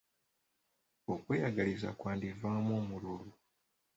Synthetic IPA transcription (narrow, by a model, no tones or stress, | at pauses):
o̞kwe̞ːjaɡaliza̰kwaːndivaːmoːmululu